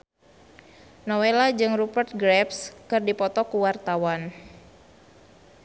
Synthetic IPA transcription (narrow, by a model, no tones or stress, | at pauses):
nɔwelad͡ʒɨŋrupərt̪̚ɡɾɛpskɨrdipɔt̪ɔkuwart̪awan